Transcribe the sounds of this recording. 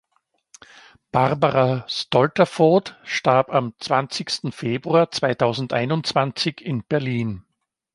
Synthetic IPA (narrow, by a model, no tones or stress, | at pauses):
b̥aʁbaʁastɔltɐfɔːtʃtaɐpamt͡sv̥ant͡sɪçstn̩feːbʁuaːt͡sv̥aɪtʰaʊzn̩tʔa̰ɪnʊnt͡sv̥ant͡sɪçɪnb̥ɛɐliːn